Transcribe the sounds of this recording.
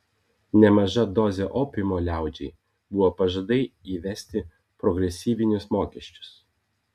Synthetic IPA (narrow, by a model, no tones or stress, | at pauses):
nʲɛmɐʒɐd̪ɔzʲeʔoːpʲɪmoːlʲæˑʊd͡ʒʲɛɪ | bʊʋoːpɐʒɐd̪ɐɪiːʋʲɛsʲt̪ʲɪ | pɾɔɡɾʲɛsʲiːʋʲɪnʲʊsmoːkʲɛʃʲt͡ʃʲʊ̥s